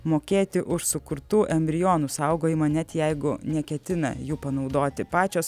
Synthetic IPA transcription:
moːkʲeːt̪ʲɪʔʊʃsʊkʊɾt̪uːʔɛmʲbʲɾʲɪjoːnuːsɐʊɡoːjɪmɐnʲɛt̪jɛɪɡʊnʲɛkʲɛt̪ʲɪnɐ̰juːpɐnɒʊd̪oːt̪ʲɪpɑːt͡ʃʲoːs

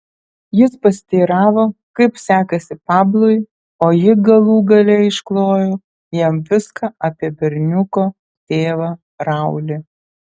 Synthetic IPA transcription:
jɪspɐsʲt̪ʲiːɾɑːʋoːkɐɪpsʲæːkɐsʲɪpɑːblˠʊj | oːjɪɡɐlˠuːɡɐlʲɛɪʃklˠoːjoː | jɛmʋʲɪskɐʔɐpʲiɛbʲɛɾʲnʲʊkoː | t̪ʲeːʋɐ | ɾɐˑʊlʲɪ

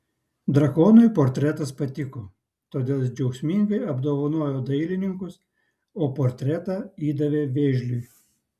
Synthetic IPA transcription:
d̪ɾɐkoːnʊɪpoːɾʲt̪ʲɾʲɛt̪ɐspɐt̪ʲɪkoː | t̪oːd̪ʲeːlˠd͡ʒʲɛʊksʲmʲɪŋɡɐɪɐbd̪oːʋɐnoːjoːd̪ɐɪlʲɪnʲɪŋkʊs | oːpoːɾʲt̪ʲɾʲɛt̪ɑiːd̪ɐʋʲeːʋʲeːʒʲlʲʊj

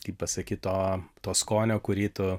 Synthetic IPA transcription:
t̪ʲiːppɐsɐkʲiːtt̪oːt̪oːskoːnʲoːkʊɾʲiːt̪ʊ

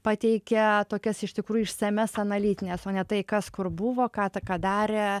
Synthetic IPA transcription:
pɑːt̪ʲɛɪkʲɛt̪oːkʲɛsɪʃt̪ʲɪkɾuːjʊɪʃsɐmʲɛsɐnɐlʲiːt̪ʲɪnʲeːsoːnʲɛt̪ɐɪkɐskʊrbʊʋoːkɑːt̪ɐkɑːd̪ɑːɾʲe

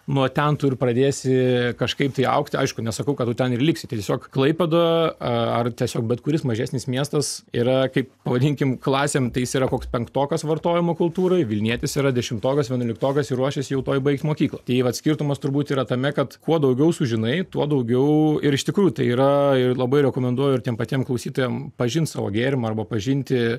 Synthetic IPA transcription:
nʊt̪ʲɛnt̪ʊɾʲprɐd̪ʲeːsʲɪkɐʃkɐɪpt̪ɐɪɐ̰ʊkt̪ʲɐ̰ɪʃkʊnʲɛsɐkɐʊkɐt̪tut̪ʲɛnɪrlʲɪksʲɪt̪ɐɪtʲɛsʲoːkklˠɐɪpʲɛd̪oɐɐrt̪ʲiɛsʲoːkbʲɛt̪kʊɾʲɪsmɐʒʲæːsʲnʲɪsmʲiɛst̪ɐsiːɾɐkɐɪppɐʋɐd̪ʲɪŋʲkʲɪmklˠɑːsʲeːmt̪ɐɪjɪsiːɾɐkoːkspʲɛŋkt̪oːkɐsʋɐrt̪oːjɪmoːkʊlˠt̪uːɾɐɪʋʲɪlʲnʲiɛt̪ʲɪsiːɾɐd̪ʲɛʃʲɪmt̪oːkɐsʋʲiɛnʊːlʲɪkt̪oːkɐsɪɾuɔʃʲɛsʲɪjɛʊt̪oːjbɐɪkt̪ʲmoːkʲiːklˠɐt̪ɐɪʋɐt̪ʲsʲkʲɪrt̪ʊmɐst̪ʊɾbuːt̪iːɾɐt̪ɐmʲɛkɐt̪kuɔd̪ɐʊɡʲɛʊsʊʒʲɪnɐɪt̪uɔd̪ɐʊɡʲɛʊɪɾɪʃt̪ʲɪkɾuːjʊt̪ɐɪiːɾɐɪrlˠɐbɐɪɾʲɛkoːmʲɛnd̪uɔjoɪrtʲiɛmpɐt̪ʲiɛmklˠɐʊsʲiːt̪oːjɛmpɐʒʲɪnt̪sɑːʋo̰ɡʲeːɾʲɪmɐrbɐpɐʒʲɪnʲt̪ʲɪ

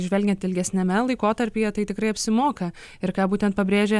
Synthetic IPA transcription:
ʒʲʋʲɛlʲɡʲɛnt̪ɪlʲɡʲɛsʲnʲɛmʲɛlˠɐɪkoːt̪ɐɾʲpʲeːjɛt̪ɐɪt̪ʲɪkɾɐɪɐpʲsʲɪmoːkɐ | ɪɾkɑːbuːt̪ʲɛnt̪̚pɐbʲɾʲeːʒʲɛ

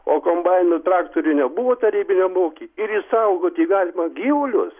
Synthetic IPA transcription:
oːkombajnot̪ɾaːkt̪oɾʲinʲɛbuʋot̪ɐɾʲiːbʲɪnʲɛmoːkʲiɪɾisawɡot̪ʲiɡaːlʲɪmɐɡʲilʲʊ̰s

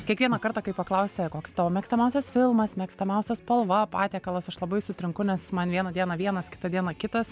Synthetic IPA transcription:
kʲiɛkʋʲiɛnɐkɐɾt̪ɑːkɐɪpɐklˠɐʊsʲɛkoːkst̪ɑːʋoːmʲɛːksʲt̪ʲɐmɛʊsʲɛsfʲɪlˠmɐsmʲɛːksʲt̪ɐmʲɛʊsʲɛspɐlˠʋɐpɑ̰ːt̪ʲeːkɐlˠɐsɐʃlˠɐbɐɪsʊt̪ʲɾʲɪŋkʊnʲɛsmɐnʋʲiɛnɐd̪ʲiɛnɐʋʲiɛnɐskʲɪ̥t̪ɐd̪ʲiɛnɐkʲɪt̪ɐs

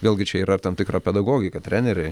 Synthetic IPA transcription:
ʋʲeːlʲˠɡʲɪt͡ʃʲɛiːɾɐɪt̪ɐmt̪ʲɪkɾaːpʲɛd̪ɐɡoːɡʲɪkɐt̪ʲɾʲænʲɛɾʲɛɪ

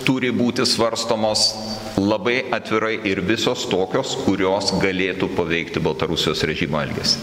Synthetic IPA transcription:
t̪ʊɾʲɪbuːt̪ʲɪsʋɐɾst̪oːmoːs | lˠɐbɐɪʔɐt̪ʲʋʲɪɾɐɪʔɪɾʋʲɪsoːst̪oːkʲoːskʰʊɾʲoːsɡɐlʲeːt̪uːpɐʋʲɛɪkt̪ʲɪbɐlˠt̪ɐɾʊsʲɪjoːsɾʲɛʒʲiːmoːɛlʲɡʲḛːs

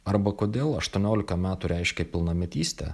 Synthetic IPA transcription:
ɐɾbɐkoːd̪ʲeːlˠɐʃt̪uɔnʲoːlʲɪkɐmʲæːt̪uɾʲɛɪʃʲkʲɛpʲɪlˠnɐmʲɛt̪ʲiːsʲt̪ʲɛ̰

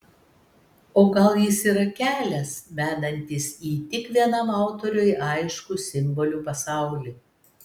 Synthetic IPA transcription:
oːɡɐlˠjɪsiːɾɐkʲæːlʲɛsmʲæːd̪ɐnʲt̪ʲisiːt̪ʲɪkʋʲiɛnɐmɑʊt̪ɔɾʲʊjʔɑˑɪʃkusʲɪmbɔlʲupɐsɑˑʊlʲi

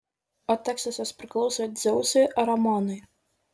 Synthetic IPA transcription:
ɔt̪ʲɛksɐsʲɐspʲɾʲɪklˠɔʊsoːd̪zʲɛʊsʲeʔɐɾɐmɔnɐj

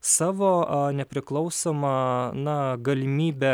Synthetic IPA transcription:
sɑːʋoːɐnʲɛpʲɾʲɪklˠɒʊsoːmɐnɐɡɐlʲɪmʲiːbʲɛ

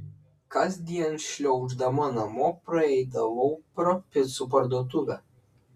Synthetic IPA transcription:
kɐsd̪ʲiɛnʃʲlʲɔʊʒd̪ɐmɐnɐmoːpɾɐɛɪd̪ɐʋopʲɾɐpʲɪsup̬ɐɾd̪uɔt̪̬ʊʋʲɛ

